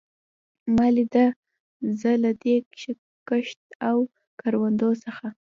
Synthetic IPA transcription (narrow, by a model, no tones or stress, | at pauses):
malid̪a | zəlad̪ekʃ | kəʃt̪aw | kaɾwand̪osəxa